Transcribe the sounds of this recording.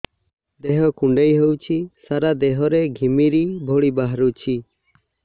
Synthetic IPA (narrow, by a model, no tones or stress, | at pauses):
d̪eɦɔkuɳɖejɦewt͡ʃʰisaɾad̪eɦɔɾeɡʱimiɾibʱoɽibaɦɾut͡ʃʰi